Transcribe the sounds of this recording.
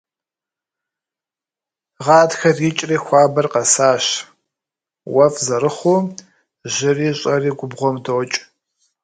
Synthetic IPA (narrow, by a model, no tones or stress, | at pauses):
ʁɑːtxɐrjɪt͡ʃʼriːxʷɑːbɐrqɐsaːɕ | wɐfzɐɾɨχuː | ʑɪriːɕʼɐriːɡʷʊbʁʷɔmdoːt͡ʃʼ